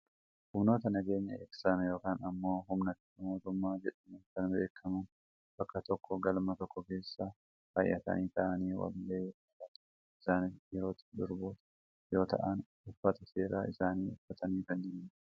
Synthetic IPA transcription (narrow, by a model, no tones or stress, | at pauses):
hʊmno̞ːt̪ɐnɐɡe̞ːɲːɐeːksɐmjo̞ːkaːnɐmːo̞ːɦʊmnɐt̪ | ɐmoːt̪ʊmːaːd͡ʒɛᶑɐmɛnkɐnbe̞ːkʰːɐmɐn | b̥ɐkːɐt̪ɔkːɔɡɐlmɐt̪ɔkʰːɔke̞ːsːa | fɐjːɐ̰t̪ɐ̰niːt̪ɐʔɐniːwɐ̰lːeː | ɐt̪ | ɪsaːnɪfjɛɾo̞ːt̪ɪ̥d̪ʊɾboːt̪ɐ̥ | jo̞ːt̪ɐ̰ʔɐn | ʊfːɐt̪ɐse̞ːɾa̰ːɪsaːniːʊfːɐt̪ɐniːkɐnːiːnn